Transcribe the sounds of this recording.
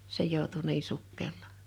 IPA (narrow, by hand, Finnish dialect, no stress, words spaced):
se joˑutu niː sukːelˑɑː